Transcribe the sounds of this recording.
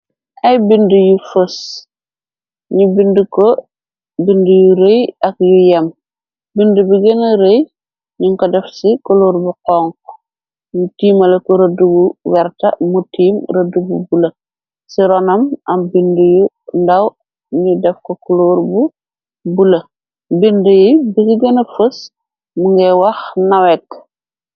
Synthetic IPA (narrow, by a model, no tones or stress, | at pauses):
ʔɐjbindujufəs | ɲubinduko | bindujuɾejɐkjujɐm | bindubiɡɐnɐɾej | ɲuŋkɔdɛfsikuloːɾbuqɔŋkɔ̥ | ɲutiːmɐlɐkɔɾɐduɡuwɛrtɐ̰mutiːmɾɐdububulɐ | siɾɔnɐmɐmbinduju | ndɐw | ɲudɛfkɔkuloɾbu | bulɐ | bindəjibiɡiɡɐnɐfəs | muŋɡɛwɐxnɐwɛkː